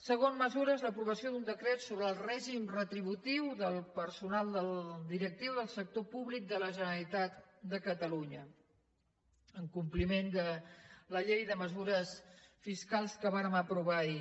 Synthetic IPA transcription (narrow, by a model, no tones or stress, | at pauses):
səɣ̞onməzuɾəzləpɾuβəsiod̪und̪əkɾet̪soβɾəːlˠrɛʒimrət̪ɾiβ̞ut̪iwðəlˠpəɾsunalˠd̪əlˠd̪iɾək̚t̪iwðəlˠsək̚t̪opuβlik̚d̪ələʒənəlit̪at̪d̪əkət̪əluɲə | əŋkumplimend̪ələʎejðəməzuɾəsfiskalˠskəβaɾəməpɾuβai